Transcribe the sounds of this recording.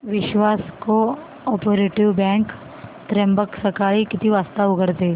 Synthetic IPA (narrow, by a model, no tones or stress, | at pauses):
ʋɪʃwaːsko | ɔːpoːɾeːʈɪʋbɛ̃ːŋk | t̪ɾɛ̃mbəksəkaːɭikɪt̪iʋaːst̪aʊɡəɾt̪eː